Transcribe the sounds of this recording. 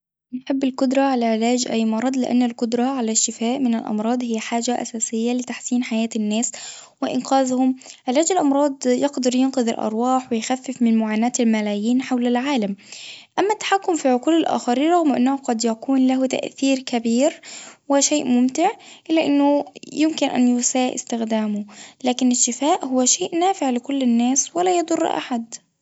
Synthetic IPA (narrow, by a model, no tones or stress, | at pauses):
jɪħɪbːɪlkʊd̪ɾˤɑʕalaʕɪlaːd͡ʒʔajːmɑɾˤɑd̪ˤlɪʔa̰nːalkʊd̪ɾˤɑʕalaʃt̪ɪfaːʔmɪnɪlʔɑ̰mɾˤɑːd̪ˤhɪjːħaːʒaʔa̰saːsɪjːalɪt̪aħsiːnħajaːt̪anːaːs | wɪʔɪ̰nqaːzhʊmʕɪlaːd͡ʒalʔɑmɾˤɑːd̪ˤjɑqd̪ɑɾˤjɪnqʊðɪ̰lʔɑ̰ɾˤwɑːħwɪjxafːɪfmɪnmʊʕaːnaːt̪ɪlmalaːjiːnħawlalʕaːlamʔamːat̪ːḁħakːʊmfiʕʊquːlɪlʔa̰ːxɑɾiːnɾˤɑɣmʔɪ̰nːahʊqɑd̪jakuːnlaɦut̪a̰ʔθiːɾkabiːɾwɪʃeːʔmʊmt̪ɪʕʔɪlːaʔɪnːʊjɪmkɪnʔa̰njʊsaːʔɪ̰st̪ɪxd̪aːmʊlaːkɪnɪʃɪfaːʔhʊwːaʃeːʔnaːfɪʕlɪkʊlːɪnːaːswɪlaːjɑd̪ˤʊr̰ˤːʔa̰ħad̪